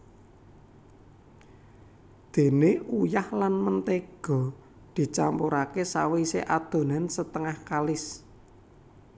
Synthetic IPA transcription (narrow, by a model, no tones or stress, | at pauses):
d̪̥e̤neujahlanmənt̪eɡ̥ɔ̤ | d̪̥i̤t͡ʃampuɾakesawisḛʔad̪̥o̤nansət̪əŋahkalɪs